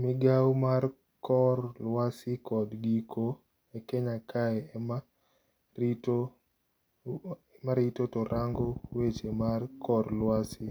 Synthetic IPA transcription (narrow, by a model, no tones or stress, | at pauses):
mɪɡawmar | kɔrlwasɪkɔdɡikʰo | ekeɲakʰaɛma | t | maɾɪtotɔɾʔaŋɡowet͡ʃemarkʰɔrlwasɪ